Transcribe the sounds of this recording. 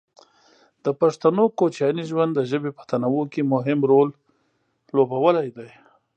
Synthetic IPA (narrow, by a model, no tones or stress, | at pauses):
d̪̥əpaʂt̪anokot͡ʃjɑniʒwand̪ːəʒəbepə̥t̪anawokemʊɦɪmɾol | lobawəlajd̪aj